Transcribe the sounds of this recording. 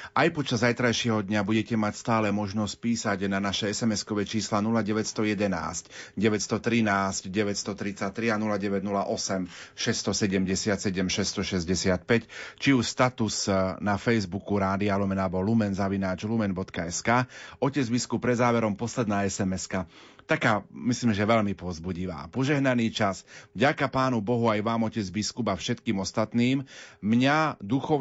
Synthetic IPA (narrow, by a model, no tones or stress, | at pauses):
ʔajpɔt͡ʃazːajt̪ɾajʃɪɛɦɔd̪ɲabuɟɛcɛmacst̪aːlɛmɔʒnɔsc̚piːsaɟnanaʃɛɛsɛmɛskɔʋɛt͡ʃiːslanulaɟɛʋɛtst̪ɔjɛd̪ɛna̰ːscɟɛʋɛtst̪ɔt̪ɾinaːscdɟɛʋɛtst̪ɔt̪ɾit͡sac̚t̪ɾianulaɟɛʋɛɟnulaʔɔsɛmʃɛst̪ɔsɛɟɛmɟɛsɪat̪sɛɟɛmʃɛst̪ɔʃɛzɟɛsɪat̪̚pɛct͡ʃiuʃst̪at̪usnafɛjzbukuɾaːd̪ialɔmɛnabɔlumɛnzaʋinaːt͡ʃlumɛnbɔt̪kaɛskaːɔcɛd͡zbiskup̚ːɾɛd̪zaːʋɛɾɔmpɔslɛd̪naːɛsɛmɛska | t̪akaːmisliːmʒɛʋɛʎmipʊɔzbuɟiʋa̰ːpɔʒɛɦnaniːt͡ʃasvɟakapaːnubɔɦuajʋaːmɔcɛd͡zbiskubafʃɛt̪kiːmɔst̪at̪niːmmɲad̪uxɔ